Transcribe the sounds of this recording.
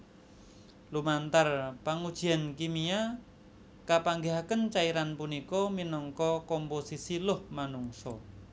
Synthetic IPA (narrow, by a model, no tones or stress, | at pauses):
lumant̪arpaŋud̥ʒ̥i̤ankimia | kapaŋɡeɦakənt͡ʃaiɾanpunikɔminɔŋkɔkɔmposisilʊhmanuŋsɔ